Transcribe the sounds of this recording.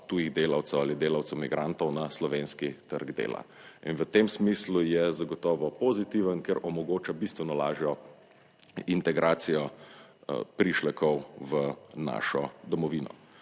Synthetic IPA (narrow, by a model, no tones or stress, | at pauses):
t̪ujiɣd̪eːlawt̪sɛwalid̪eːlawt̪sɛwmiɡɾʔant̪ɔwnaslɔʋeːnskit̪əɾɡd̪ḛːla̰ | inʋət̪eːmsmislujɛzaɡɔt̪ɔːʋɔpɔzit̪iʋənkɛɾʔɔmɔɡoːt͡ʃabist̪ʋɛnɔla̰ːʒjɔ | int̪ɛɡɾaːt̪sijɔ | pɾiʃlɛkʰɔwʋəna̰ʃɔd̪ɔmɔʋinɔ̰